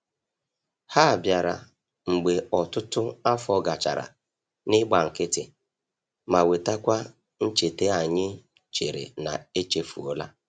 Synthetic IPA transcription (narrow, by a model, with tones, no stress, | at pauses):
ha˦a˨bja˨ɾa̰˨ | ŋ͡m̩˨ɡ͡be˨ɔ˨tʊ˦tʊ˦a˦fɔ˦ɡa˨t͡ʃa̰˨ɾa̰˨ | nɪ˦ɡ͡ba˨ŋ̩˨kɪ˦tɪ˨ | ma˨we˨ta˦kʷa˦ | n̩˦t͡ʃe˨te˦a˨ɲɪ˦ | t͡ʃe˨ɾḛ˨na̰˨e˦t͡ʃe˦fṵ˨ɔ˦la̰˦